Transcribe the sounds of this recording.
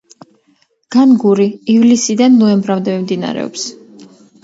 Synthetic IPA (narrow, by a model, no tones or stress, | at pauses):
ɡ̥anɡuɾiːvlisid̪anːɔɛmbɾamd̪ɛmimd̪ina̰ɾɛ̰ɔ̰ps